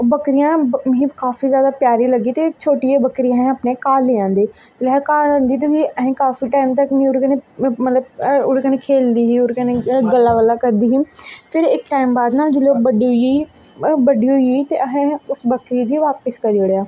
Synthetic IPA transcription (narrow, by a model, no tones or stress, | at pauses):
bəkɾɪjãːmĩːkaːfiːzjaːd̪aːpjaːɾiːləɡiːt̪eːt͡ʃʰoːʈijeːbəkɾijãːɦẽəpneːkaːleːãːnd̪iː | lɦẽːkaːlãːnd̪iːt̪̬eːʋiːəɦẽːkaːfiːʈaːimt̪̬əkmĩːʊɾkəneːmət̪ləbʊɾkənẽːkʰeːld̪iːɦiːʊɾkəneɡəlːaːʋəlːaːkəɾd̪iːɦiːpʰɪɾɪkʈaːɪmbaːd̪naːld͡ʒɪloːk̚bəɖiiː | bəɖiːɦoit̪ḛːʔəɦẽʊsbəkɾiːd̪iːʋaːpəskəɾioɽeaː